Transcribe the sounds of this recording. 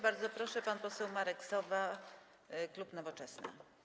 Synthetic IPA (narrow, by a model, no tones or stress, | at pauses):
baɾd̪zɔpɾɔʂɛpanpɔsɛwmaɾɛksɔva | klupnɔvɔt͡ʂɛsnɘ̰